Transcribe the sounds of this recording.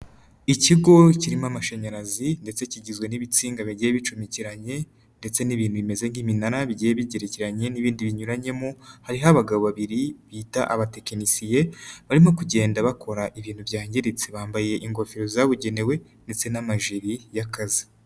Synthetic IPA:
iciɡo̞ciɾimamaʃeɲaɾazinde̞t͡se̞ciɟizɡwe̞niβit͡siːŋɡaβiɟijeβit͡ʃumiciɾaɲe̞ | nde̞t͡se̞niβiːnhuβime̞ze̞ŋɡiminaɾaβiɟijeβiɟeɾeciɾaɲe̞niβiːndiβiɲuɾaɲe̞mohaɾiɦaβaɡaβoβaβiɾiβitaʔa̰βate̞kenisije̞βaɾimo̞kuɟe̞ːndaβakʰo̞ɾaʔiβiːn̥huvjaːɲɟeɾet͡seβaːmbaje̞ʔiŋɡo̞fiɾozaβuɟe̞ne̞we̞ | nde̞t͡se̞namaʒiɾijakazi

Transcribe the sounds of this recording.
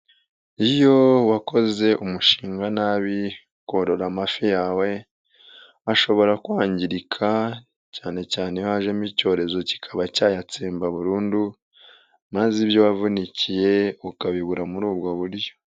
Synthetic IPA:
ijo̞wako̞ze̞ʔumuʃiːŋɡanaβi | koːɾo̞ɾamafijaːwe̞ | aʃo̞βo̞ɾakwaːɲɟiɾikʰa | caːne̞caːnejhaʒe̞muico̞ːɾe̞zo̞ci̥kʰaβacaːjat͡siːmbaβuɾuːndu | maziβjo̞wavunicije̞ukaβiβuɾamuɾuːb̚ɡoβuɾjo̞̥

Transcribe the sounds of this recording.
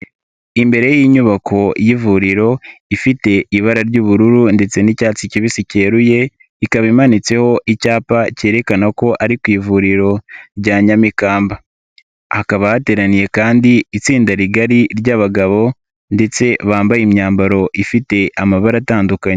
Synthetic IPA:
imbe̞ɾe̞jiɲuβakʰo̞jivuɾiɾo̞ifite̞iβaɾaɾɟuːβuɾuɾunde̞t͡se̞nicaːt͡siciβisiceːɾuje̞ | ikaβimanit͡se̞ho̞ʔicaːpace̞ːɾe̞kanako̞ʔaɾikwiːvuɾiɾo̞ɾɟaːɲamikaːmba | hakaβahate̞ːɾanije̞kaːndiːt͡siːndaɾiɡaɾiɾɟaβaɡaβo̞ | nde̞t͡se̞βaːmbajimɲaːmbaɾo̞ʔifite̞ʔamaβaɾataːndukaɲe

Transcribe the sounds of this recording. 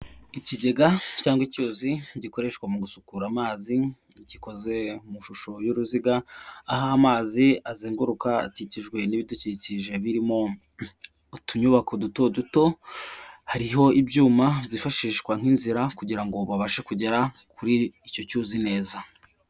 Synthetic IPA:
iciɟe̞ɡacaːŋɡwicuːziɟiko̞ɾe̞ʃkwamuɡusukuɾamaːzi | ciko̞ze̞muʃuʃo̞juɾuziɡaːɦaːmaːziaziːŋɡuɾukaciciʒɡwe̞niβiduciciʒe̞βiɾimo̞ | utuɲuβako̞duto̞duto̞ | haɾiɦo̞ibɟuːmabzifaʃiːʃkwaŋ̥inziɾakuɟiɾaŋɡo̞βaβaʃekuɟe̞ɾakʰuɾiːco̞cuːzine̞ːza

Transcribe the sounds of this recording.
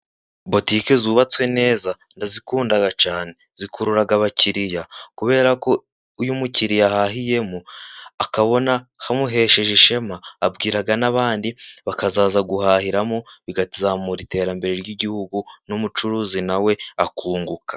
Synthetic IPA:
bo̞tikezuːβat͡swe̞ne̞ːza | ndazikuːndaɡat͡ʃaːne̞z̥ikuɾuɾaɡaβaciɾijakuβe̞ːɾako̞ | ujumuciɾijahaɦije̞muakaβo̞nahamuɦe̞ʃe̞ʒeʃe̞maːbɡiːɾaɡanaβaːndiβakazaːzaɡuhaːhiɾamoβiɡatizamuɾite̞ːɾambe̞ɾe̞ɾɟiɟihuɡunumut͡ʃuɾuːzinawe̞akuːŋɡukḁ

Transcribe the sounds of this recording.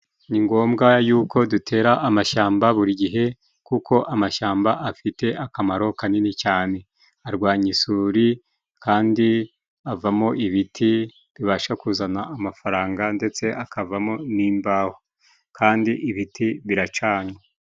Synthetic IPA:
niŋɡo̞ːmɡajuːko̞dutʰe̞ːɾaʔːmaʃaːmbaβuɾiɡiɦe̞ | kukʰo̞ʔamaʃaːmbaʔafite̞ʔakamaɾo̞kaninit͡ʃaːne̞ | aɾɡwaːɲisuːɾi | kaːndi | avamo̞ʔiβitʰi | βiβaʃakuzanaːmafaɾaːŋɡande̞t͡se̞ʔakavamo̞niːmbaho | kʰaːndiʔiβitʰiβiɾat͡ʃaːɲwa

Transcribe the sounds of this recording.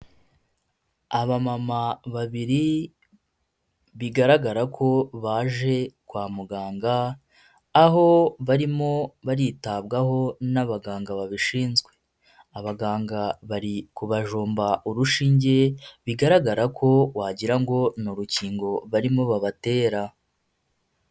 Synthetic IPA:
aβamamaβaβiɾi | βiɡaɾaɡaɾakʰo̞βaːʒe̞kwaːmuɡaːŋɡaː | ɦo̞βaɾimo̞βaɾitaβɡaɦo̞naβaɡaːŋɡaβaβiʃiːnzɡwe̞ | aβaɡaːŋɡaβaɾikuβaʒoːmbaʔuɾuʃiːɲɟe̞βiɡaɾaɡaɾakʰo̞waːɟiɾaŋɡo̞nuɾuciːŋɡo̞βaɾimo̞βaβate̞ːɾa

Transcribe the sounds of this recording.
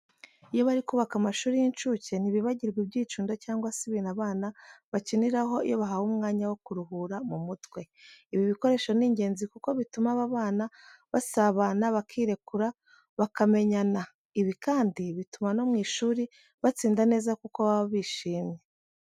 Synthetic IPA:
ijo̞βaɾikuβakamaʃuːɾijint͡ʃuce̞n̥iβiβaɟiɾɡibɟiːt͡ʃuːndocaːŋɡwasiβinaβaːnaβaciniɾaɦo̞ḭjo̞̰βaɦahumŋaːɲawo̞kuɾuɦuɾamumutwe̞ | iβiβiko̞ɾe̞ːʃo̞niːɲɟe̞ːnzikuko̞βitumaβaβaːnaβasaβanaβakʰiːɾe̞kuɾa | βakame̞ɲana | iβikaːndiβitumano̞mŋiːʃuːɾi | βat͡siːndane̞ːzakukoβaβaβiːʃiːmɲe̞

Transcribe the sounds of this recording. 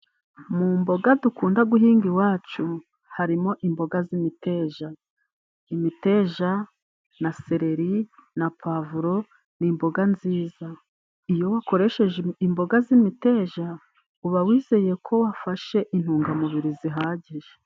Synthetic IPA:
mumbo̞ɡadukuːndaɡuɦiːŋɡiwaːt͡ʃu | haɾimo̞ʔimbo̞ɡazimite̞ːʒa | imite̞ːʒa | naseɾe̞ɾinapʰavuɾo̞ | nimbo̞ɡanziːza | ijo̞wako̞ɾe̞ʃe̞ʒeimbo̞ɡazimite̞ːʒa | uβawiːze̞je̞kʰo̞wafaʃe̞ʔin̥huːŋɡamuβiɾiziɦaːɟiʒe

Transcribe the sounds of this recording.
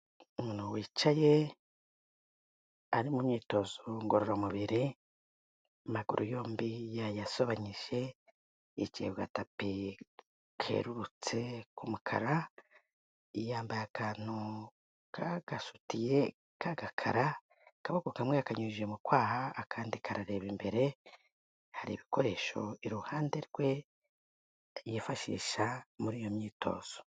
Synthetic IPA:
umuːnuwiːt͡ʃaje̞ | aɾimumɲiːto̞zoŋɡoɾoɾamuβiɾi | amaɡuɾʔujo̞ːmbijajaso̞βaɲiʒ̥e̞ː | cḭβɡa̰tapi | kʰe̞̰ɾuɾut͡se̞kumukʰa̰ɾa | ijaːmbajakʰaːn̥u | kʰaɡasu̥tije̞ | kʰaɡakʰa̰ɾa | kaβakokamweakaɲuʒemukwaːhaːkʰaːndikʰaɾaɾe̞ːβimbe̞ɾe̞ | haɾḭːβiko̞ɾe̞ːʃo̞iɾuhaːnde̞ɾɡwe̞ | jefaʃḭːʃamuɾiːjo̞mɲiːtʰo̞̰ːz̥o̥

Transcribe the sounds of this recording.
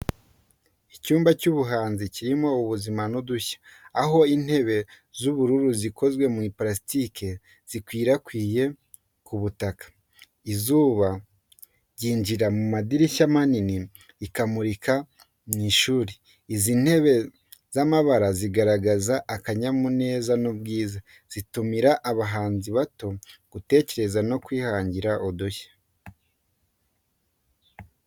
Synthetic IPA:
icuːmbacuβuɦaːnziciɾimo̞uβuzimanuduçḁːɦo̞in̥he̞βe̞ | zuβuɾuɾuzikʰo̞zɡwe̞mŋiplasitike | z̥ikwiːɾakwiːje̞ | kuβutakḁ | izuːβa | ɟiːɲd͡ʒiɾamumadiɾiʃamaniniː | kamuɾika | miːʃuːɾi | iziːn̥he̞βe̞ | zamaβaɾaziɡaɾaɡazaʔːkaɲamune̞ːzanubɡiːza | z̥itumiɾaʔːβaɦaːnziβato̞ɡ̥ute̞ːce̞ɾe̞zano̞kwiːhaːɲɟiɾaʔodoçḁ

